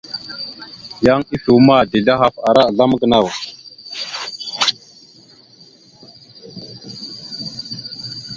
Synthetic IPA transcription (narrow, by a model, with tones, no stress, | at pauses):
ja˦ŋi˦ɬu˨wma˦˨di˨la˦ɦa˨fa˨ɾa˦˨ɮa˦m˦ɡə˨na˦˨w